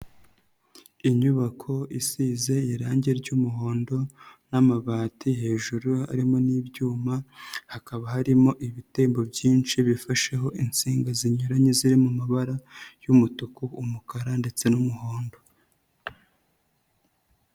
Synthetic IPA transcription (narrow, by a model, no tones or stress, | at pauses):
iɲuβakʰo̞isize̞iɾaːɲɟeɾɟumuɦo̞ːndo̞namaβaːtiɦe̞ːʒuɾua̰ɾimo̞niːbjuːmahakaβahaɾimo̞ʔiβiteːmbo̞bɟiːnt͡ʃiβifaʃe̞ɦo̞ʔint͡siːŋɡaziɲuɾaɲeziɾimumaβaɾajumutukuumukaɾande̞t͡se̞numuho̞ːndo̞